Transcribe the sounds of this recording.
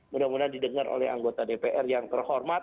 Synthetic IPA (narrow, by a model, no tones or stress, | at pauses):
mudamudadidəŋaɾo̰lɛ̰ha̰ŋɡot̪adepeʔɛrjaŋt̪ərhɔrmat̪